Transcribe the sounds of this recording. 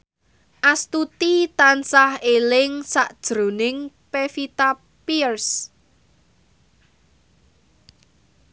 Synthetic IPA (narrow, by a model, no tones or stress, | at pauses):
ʔast̪ut̪it̪ansahelɪŋsaʔd̥ʒ̥ɾo̤nɪŋ | pefit̪a | pirs